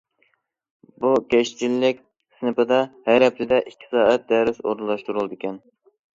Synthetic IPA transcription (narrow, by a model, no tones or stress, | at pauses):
bukʲɛʃt͡ʃʰilːɪk̚ʲ | sɨnɨpɨd̪ɑhɛjɾɛp̚lɪd̪ɛʔikʲʰːi̥sɑːæt̪̚d̪ɛɾɪso̰ɾunlˠɑʃt̪uɾulˠd̪ɪkʲɛn